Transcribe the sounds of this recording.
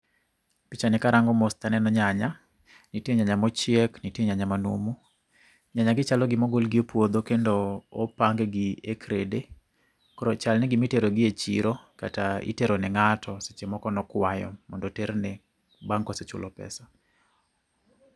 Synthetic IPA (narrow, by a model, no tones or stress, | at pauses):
pit͡ʃanɛkaɾaŋɡɔmɔst̪anɛnɔɲaɲa | nitieɲaɲamɔt͡ʃɪɛknitieɲaɲamanṵmu | ɲaɲaɡɪt͡ʃalɔɡɪmɔɡolɡɪopwod̪okendoːpaŋɡɡɪekɾede | kɔɾɔt͡ʃalnɛɡɪmiteɾoɡɪet͡ʃiɾokataḭteɾonɛŋatʰɔse̥t͡ʃemɔkɔnɔkwajɔ̰mɔndɔtɛɾnɛ | baŋkɔset͡ʃʊ̰lɔpɛ̰sa